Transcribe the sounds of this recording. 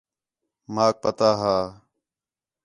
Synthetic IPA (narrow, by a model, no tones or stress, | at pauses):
maːk̚pət̪aːɦaː